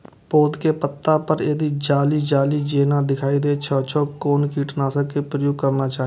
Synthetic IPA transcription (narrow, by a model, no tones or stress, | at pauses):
poːd̪kepət̪ːapəɾed̪id͡ʒaːlid͡ʒaːlid͡ʒeːnad̪ɪkʰaːid̪et͡ʃʰɔːt͡ʃʰoːkoːnkiːʈnaːsəkːepɾəjoːɡ̚kəɾnat͡ʃaːɦ